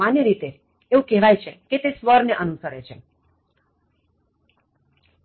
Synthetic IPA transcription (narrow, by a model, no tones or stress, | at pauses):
anjəɾit̪e | eũkɛɦʋajt͡ʃʰeket̪esʋəɾneʔənusəɾet͡ʃʰe